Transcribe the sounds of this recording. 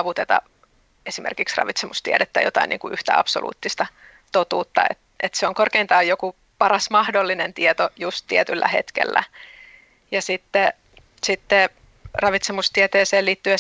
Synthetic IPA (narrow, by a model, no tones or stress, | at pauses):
ʋut̪et̪ɑ̰ | esimḛrkiksrɑ̰ʋit̪semust̪iedet̪ːæjot̪ɑ̰inḭːŋkuʔyht̪æ̰ɑ̰psolʔṵːt̪ːist̪ɑ | t̪ot̪uːt̪ːɑ̰ḛt̪ʔet̪seoŋkorkeint̪ɑːjjoku | pɑrɑsmɑhdolːinent̪iet̪ojust̪iet̪ylːæ̰hḛt̪kḛlːæ̰ | jɑsit̪ːe | sit̪ːe | rɑʋit̪semust̪iet̪eːseːliːt̪ːye